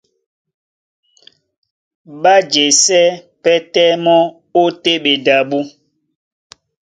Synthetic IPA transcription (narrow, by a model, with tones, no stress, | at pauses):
ɓa˦d͡ʒe˨sɛ˦pɛ˦tɛ˦mɔ˦ | o˦te˦ɓe˨da˨ɓu˦